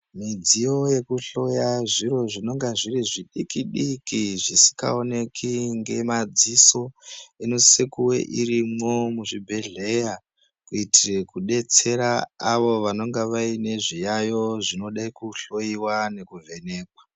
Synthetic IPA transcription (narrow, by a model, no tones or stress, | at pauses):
mid͡zijo̞je̞kuɬo̞jaʐiɾo̞ʐino̞ŋɡaʐiriʐiɗikiɗikiʐisi̥ka̰one̞kʰiŋɡe̞mad͡ziso̞enosekuwe̞̰ʔirimo̞muʐibʱe̞ɮe̞ja | kuitire̞kuɗe̞t͡se̞ɾaaʋo̞ʋano̞ŋɡaʋaine̞ʐijajo̞ʐino̞ɗaikuɬo̞iwane̞kuve̞ne̞ːkwa